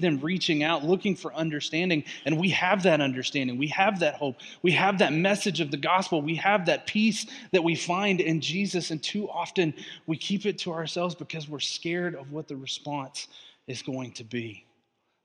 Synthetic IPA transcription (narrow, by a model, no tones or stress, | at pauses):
ðɨ̃mɹit͡ʃɪ̃ŋaʊtˡlʊkɪ̃ŋfə˞ʔʌ̃ndə˞stæ̃ndɪ̃ŋɨ̃nwiɨvðɨɾʌ̃ndə˞stæ̃ndɪ̃ŋwiɨvðɨt̚hoʊp̚ | wiɨvðɨt̚mɛsɨd͡ʒʌvðɨɡɑspl̩ˠwiɨvðɨt̚pʰisðɨt̚wifãɪ̃ndɪ̃nd͡ʒizɨsɨ̃ntʰʉʔɑftɨ̃nwikʰipɨtʰəaə˞sɛlˠvzbɨkʰʌzwɪɹskɛɹɾʌvwʌt̪̚ðɨɹɨspɑ̃nsɨzɡoʊɪ̃ŋtʰɨbi